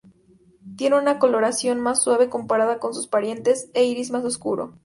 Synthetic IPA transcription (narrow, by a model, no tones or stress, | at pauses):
t̪je̞nunako̞lo̞ɾasjo̞nmasːwaβe̞ko̞mpaɾaðako̞nsuspaɾje̞nt̪e̞seiɾizmas̬o̞skuɾo̞̰